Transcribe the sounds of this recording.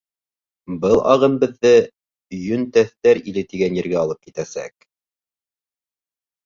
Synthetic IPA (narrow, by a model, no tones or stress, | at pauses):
bɤlˠʔɑ̰ʁɤmbɘ̆ðːɘ | jɵnt̪æθt̪æɾilɘt̪iɡænjɘ̆ɾɡæɑlˠɤp̚kit̪æsæ̰k̚